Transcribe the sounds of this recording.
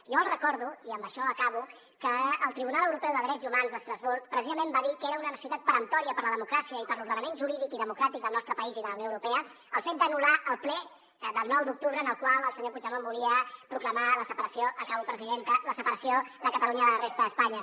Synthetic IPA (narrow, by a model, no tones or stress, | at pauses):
ijɔəlˠrəkɔɾðuiəmbəʃɔəkaβu | kəəlˠt̪ɾiβunalˠəwɾupɛwðəðɾɛd͡zumanzðəst̪ɾazβuɾk̚pɾəsizəmẽmbaðikeɾəunənsit̪at̪pəɾənt̪ɔɾiəpəɾləðəmukɾasiəipəɾluɾðənəmenʒuɾiðikiðəmukɾat̪ik̚d̪əlˠnɔst̪ɾəpəiziðələwnjoəwɾupɛə | əlˠfet̪̚d̪ənulaʔəlˠplɛ | d̪əlˠnɔwd̪uk̚t̪uβɾəːnəlˠkwalˠəlˠsəɲopuʒəmombuliəpɾukləmaləsəpəɾəsjoəkaβupɾəziðent̪ələsəpəɾəsioðəkət̪əluɲəðələrest̪əðəspaɲə